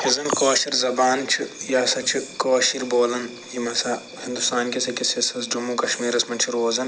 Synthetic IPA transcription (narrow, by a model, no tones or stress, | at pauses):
hizɐnkoːʃiɾzɐbaːnt͡ʃʰijaːsɐt͡ʃʰikoːʃiɾboːlɐn | jimɐsɐ | hind̪ust̪aːnkisɐkisɐsɐsd͡ʒumuːkɐʃmiːɾɐsmɐnt͡ʃʰiɾoːzɐn